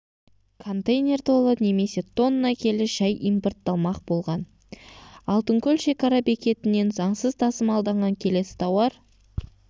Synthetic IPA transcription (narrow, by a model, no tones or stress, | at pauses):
kʰo̞nt̪ejnʲe̞rt̪ʰolˠəne̞me̞se̞t̪ʰo̞nːəːɑkʲʰe̞lɪʃæjʔimport̪ːɑlˠmɑqbo̞lˠʁɑn | ɑlˠt̪əŋkʲʰɵlʲʃe̞kɑɾɑbe̞kʲe̞t̪ɪne̞nzɑɴsəzt̪ʰɑsəmɑlˠd̪ɑɴʁɑŋkʲʰe̞le̞sɪ̥t̪ʰɑwɑɾ